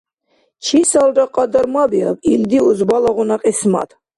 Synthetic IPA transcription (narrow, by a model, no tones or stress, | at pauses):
t͡ʃʰisalɾaqʼɑd̪əɾmabia̰bild̪iuzbalaʁunaqʼisma̰t̪